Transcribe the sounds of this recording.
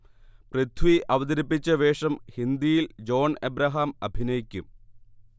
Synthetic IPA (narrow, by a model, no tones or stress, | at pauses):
prɐt̪ʰʋiʔɐʋɐd̪ɐɾipːit͡ɕːɐʋeːʂɐmhind̪ijild͡ʑo̞ːɳebɾɐɦaːmɐ̰bʱinɐjikʲːum